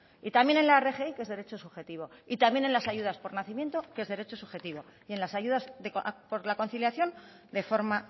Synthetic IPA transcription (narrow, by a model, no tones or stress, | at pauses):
it̪ambje̞nẽ̞nlaere̞xe̞ike̞zðeɾe̞t͡ʃo̞suxe̞t̪iβo̞it̪amje̞ne̞nlasajuðaspo̞ɾnaθimje̞nt̪okee̞zðe̞ɾe̞t͡ʃo̞suxe̞t̪iβo̞ie̞nlasajuðasðekpo̞ɾlako̞nθiljaθjo̞n | d̪e̞fo̞ɾma